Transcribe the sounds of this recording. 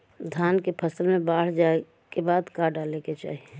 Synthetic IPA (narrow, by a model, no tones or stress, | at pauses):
d̪ʱjaːnkepʰəsəlmẽbaːɽ̤d͡ʒaːe | kebaːd̪kaːɖaːleket͡ʃa̰ːie